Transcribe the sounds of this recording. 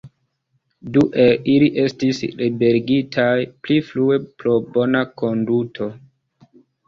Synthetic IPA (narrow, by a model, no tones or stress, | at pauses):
duʔe̞liliʔe̞stislibe̞ɾɡitʰajpliflue̞pɾo̞bo̞nako̞ndutʰo̞